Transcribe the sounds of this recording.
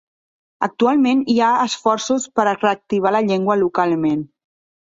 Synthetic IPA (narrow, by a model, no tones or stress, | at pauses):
ək̚t̪ualˠmeniaəsfɔrsuspəɾəreək̚t̪iβ̞aləʎeŋɡwəlukalˠmen